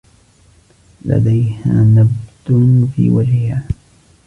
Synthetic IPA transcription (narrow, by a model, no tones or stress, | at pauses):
la̰d̪ajhaːnabd̪ʊnfiːwad͡ʒhɪhaː